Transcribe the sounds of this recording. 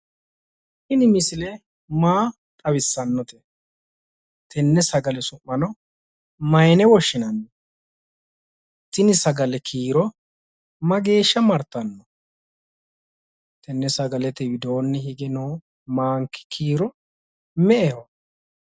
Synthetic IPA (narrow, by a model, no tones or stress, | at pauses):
hɪnɪmɪsɪlɛ | maː | t̪ʼɐwɪsːɐnːɔt̪ɛ | t̪ʰɛnːɛsɐɡɐlɛsʊmːɐnɔ | mɐjnɛwɔʃːɪnɐnːɔ | t̪ːɪnɪsɐɡɐlɛkʰiːɾɔ | mɐɡe̞ːʃːɐmɐɾt̪ːɐnːɔ | t̪ʰɛnːɛsɐɡɐlɛt̪ɛwɪd̪oːnːɛɦɪɡɪnoː | maːŋkɪ̥kʰiːɾɔ | mɛʔɛhɔ